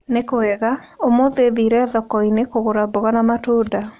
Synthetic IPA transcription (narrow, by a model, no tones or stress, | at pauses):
nekoɛɣaomoðeðiɾɛðɔkɔinekoɣoɾaboɣanamatoda